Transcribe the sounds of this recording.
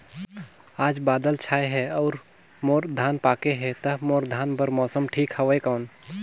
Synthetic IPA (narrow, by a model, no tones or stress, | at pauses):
aːd͡ʒbaːd̪əlt͡ʃʰaːeɦɛɔːɾ | moːɾd̪ʱaːnpaːkeɦɛt̪ɐɦmoːɾd̪ʱaːnbəɾmɔːsəmʈʰiːkhɐʋəekɔːn